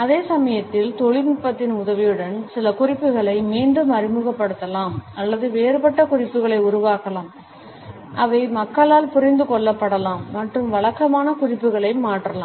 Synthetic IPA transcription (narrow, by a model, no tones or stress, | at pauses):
ɐðeːsɐmɐjɐt̪ːɪlt̪ɔɭɪnɪpːɐt̪ːɪnʊðɐʋɪjɯɽɐnsɪlɐkʊrɪpːɯɣɐɭɐɪmiːɳɖɯmɐɾɪmɯɣɐpːɐɽɯt̪ːɐlaːmɐlːɐðɯʋeːɾpɐʈːɐkʊrɪpːɯɣɐɭɐɪʊɾʊʋaːkɐlaːm | ʔɐʋɐɪmɐkːɐlaːlpʊɾɪnd̪ɯkɔɭːɐpːɐɽɐlaːmːɐʈrɯmʋɐɭɐkːɐmaːnɐkʊrɪpːɯɣɐɭɐɪmaːʈrɐla̰ː